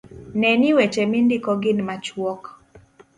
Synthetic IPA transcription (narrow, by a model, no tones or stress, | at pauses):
nɛniwɛt͡ʃɛmindikɔɡɪnmat͡ʃwɔk